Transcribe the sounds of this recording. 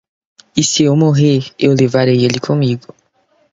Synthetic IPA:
isiewmoɦeɾewlevaɾejelikʰõmiɡʊ

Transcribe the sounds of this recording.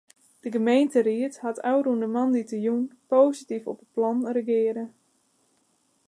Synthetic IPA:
d̥əɡəmejntəɾiəthatʰawɾundəmanditəjunpoːsitifɔpət̚plɔnrəɡɪəɾə

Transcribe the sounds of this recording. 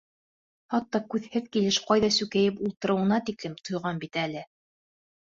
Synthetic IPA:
hɑt̪ːɑkʉðhɘðkilɘʃqɑjðɑsʉkæjɘpulˠt̪ɤ̆ɾɤ̆wɤ̆nɑt̪iklɘmt̪ʰŏjʁɑnbit̪ælɘ

